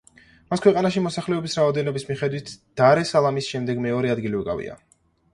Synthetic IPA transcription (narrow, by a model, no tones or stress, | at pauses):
maskʰwɛqʼanaʃimɔsaχlɛɔbisɾaɔd̪ɛnɔbismiχɛd̪wit̪ʰd̪̥aɾɛsalˠamisʃɛmd̪ɛɡmɛɔɾɛad̪ɡilivɛkʼa̰vḭa̰